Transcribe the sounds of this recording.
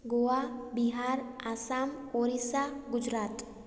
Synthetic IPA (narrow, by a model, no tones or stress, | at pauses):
ɡoabiɦaːɾasamoɾisaɡʊd͡ʒɾaːt̪